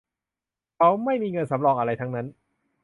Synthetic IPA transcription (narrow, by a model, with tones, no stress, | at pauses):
kʰa˦˥wma˥˩jmiː˧ŋɤ˧nsa˩˦mɾɔː˧ŋʔa˧ɾa˧jt̪ʰa˦˥ŋna˦˥n